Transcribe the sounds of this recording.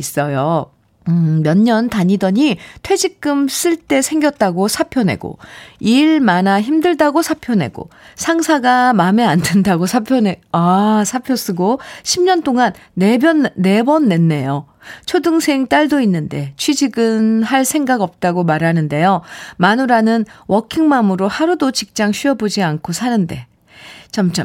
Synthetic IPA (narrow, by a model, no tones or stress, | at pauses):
is͈ʌjo | ɯmjʌnːʌntaɲidʌɲitʰwe̞d͡ʑik̚k͈ɯms͈ɯɭt͈e̞sʰe̞ŋɡʲjʌt̚t͈aɡosʰapʰjʌne̞̰ɡo̰iɭmanaçimdɯɭdaɡosʰapʰjʌne̞̰ɡo̰sʰaŋsʰaɡamame̞andendaɡosʰapʰjʌneasʰapʰjos͈ɯɡoɕʰimɲʌnt͈oŋanːe̞bjʌnːe̞bʌnːe̞nːe̞jo | t͡ɕʰodɯŋsʰe̞ŋt͈aɭdoinːɯnde̞t͡ɕʰwɥid͡ʑiɡɯnɦaɭsʰe̞ŋɡaɡʌp̚t͈aɡomaɾɦanɯnde̞jomanuɾanɯnwʌkʰiŋmamɯɾohaɾudot͡ɕik̚t͡ɕ͈aŋɕʰɥiʌbod͡ʑiankʰosʰanɯnde̞̰ | t͡ɕamt͡ɕ͈a̰m